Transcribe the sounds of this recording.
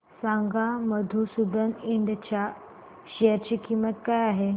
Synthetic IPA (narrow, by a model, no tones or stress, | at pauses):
sãŋɡaməd̪ʱusud̪əniɳɖt͡ɕja | ɕiəɾt͡ɕikimət̪kajaɦe